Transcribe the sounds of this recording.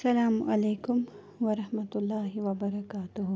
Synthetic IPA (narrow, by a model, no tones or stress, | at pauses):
ɐsɐlaːmʔɐleːkʊm | ʋɐɾɐhmɐt̪ʊlːaːɦɪʋɐbɐɾɐkaːt̪ʊɦ